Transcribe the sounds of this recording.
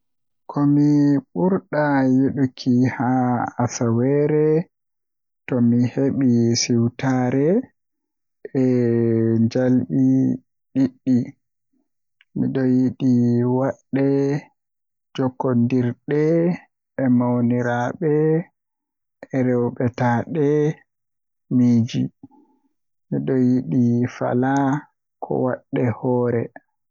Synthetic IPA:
kʰɔmiɓuɾɗajeɗukʰihaasawɛɾɛ | tɔmiheɓisiwtaːɾɛ | ɛ | ɲd͡ʒalɓi | ɗiɗːi | miɗɔjiɗiwaɗːɛ | d͡ʒɔkːɔndiɾɗɛː | mawniɾaɓɛ | ʔɛɾɛwɓɛtaɗɛ | miːd͡ʒḭ | miɗɔjiɗifa̰la | kʰɔ̰wa̰ɗːɛhɔːɾɛ

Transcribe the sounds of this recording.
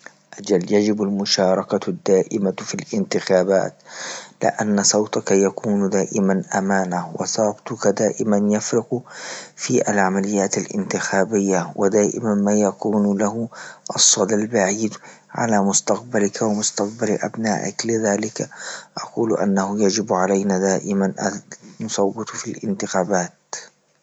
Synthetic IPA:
ʔad͡ʒaljad͡ʒɪbalmʊʃɑːɾˤɑkad̪ːaːʔɪmafilʔɪnt̪ɪxaːba̰ːt̪lɪ̰ʔanːasˤɑwt̪akajakuːnd̪aːʔɪmanʔamaːnawɪ̰sˤɑːt̪ʊkad̪aːʔɪmanjafɾɪqfiːʔa̰lʕamalɪjːaːt̪alʔɪ̰nt̪ɪxaːbɪjːawɪd̪aːʔɪ̰manmaːjakuːnlaɦʊʔɑsˤːɑd̪albaʕiːd̪ | ʕa̰laːmʊst̪aq̚balɪkawamʊst̪aq̚balʔa̰bna̰ːʔɪ̰klɪðaːlɪkaʔaquːlʔa̰nːahʊjad͡ʒɪbʕalajnaːd̪aːʔɪmanʔaːʊsˤɑwːɪt̪filʔɪ̰nt̪ɪxaːbaːt̪

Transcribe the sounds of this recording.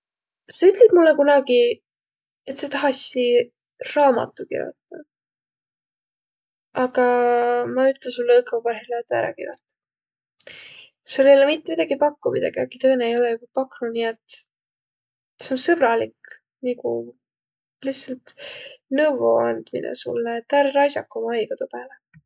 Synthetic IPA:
seyt̪ˑlib̥mulːekunɑɡi | e̞t̪se̞t̪ɑɦɑsi | rɑːmɑ̰t̪ːˑukḭrjo̰t̪ːɑ | ɑɡɑmɑyt̪ˑlesulːɤːkeupɑrɦilet̪ːˑæ̰ɾɑ̰kḭrjo̰t̪ːˑɑ̥ | suolːejolemit̪ːemid̪̥ɑɡipɑkːumid̪ɑ̰ɡ̥iɑɡit̪ɤ̞jneejo̞lɛjubɑpɑkːnuniet̪ː | se̞onsɤb̥ɾɑlik | nikṵ | lihsɑlt̪nɤwvoɑnd̪̥mḭnʔɛ̰sṵlːet̪ːæɾɾɑjsɑkːˑomɑɑjɡ̥ɑt̪upæːle

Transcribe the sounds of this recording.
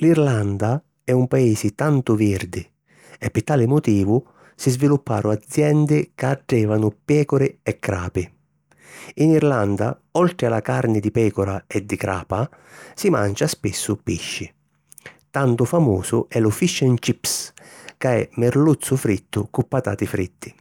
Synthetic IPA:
liɾland̪a | ɛumpaiːsɪt̪ant̪ʊviɾd̪ɪ | ɛpːɪt̪ːaːlɪmʊt̪iːvʊ | sizvilupːaːɾʔʊad̪zjɛnd̪ɪkaːɖːɛːvanʊpɛːkʊɾɪɛkːɾa̰ːpɪ | iniɾland̪a̰ | ɔlt̪ɾɪala̰kaɾnɪd̪ipɛːkʊɾaɛd̪ːikɾa̰ːpa | sima̰nt͡ʃaspisːʊpiʃːɪ | t̪ant̪ʊfamuːsʊɛlʊfiʃːɛnt͡ʃipskaɛ̰mɪɾlut̪sːʊfɾit̪ːʊkupːat̪a̰ːt̪ɪfɾit̪ʰːɪ̥

